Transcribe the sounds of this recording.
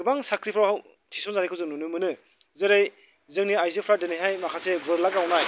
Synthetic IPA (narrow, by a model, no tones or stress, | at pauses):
baŋsakʰɾipʰɾawhaw | tʰisɔnzaɾijkʰɯwzɯnunɯmɯnɯ | zɯɾaj | zɯŋniajzɯpʰɾadeneɦajmakʰasebɯɾlak̚awnaj